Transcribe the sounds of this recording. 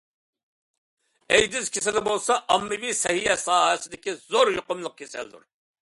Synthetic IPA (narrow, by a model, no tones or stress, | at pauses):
ɛjd̪ɪz̥kʲʰɪsɪd̪ɪbolˠsɑʔɑmːɪvisɛhijɛsɑːhɛsɪd̪ɪkʲizoɾjoqʊmlˠəq̚kʲʰesæ̰ld̪ṵɾ